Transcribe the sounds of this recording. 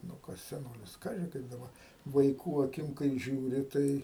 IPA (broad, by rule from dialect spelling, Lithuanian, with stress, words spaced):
nʊ ˈkɐs sʲɛˈnoːlʲɪs ˈkɑːʒʲɪ ˈkɐɪp dɐˈbɐ ʋɐɪˈkuː ɐˈkʲɪm kɐɪ ʒʲuːˈrʲɪ ˈtɐɪ